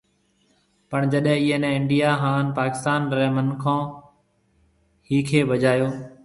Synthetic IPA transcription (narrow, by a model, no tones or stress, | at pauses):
pəɳd͡ʒəɗɦɛ̃ːɪɦːnɛ̃ːɪɳɖijaːɦãːnpaːkɪ̥st̪aːnɾɛ̃ːmənkʰãː | hiːkʰeːbəd͡ʒaːjoː